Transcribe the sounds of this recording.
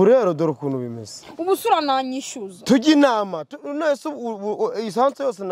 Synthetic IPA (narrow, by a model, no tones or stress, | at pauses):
uɾaɾodoɾkunubimḭsubusuɾanaɲiʃuztuɡʲinamatunasuis̬hant͡sojosin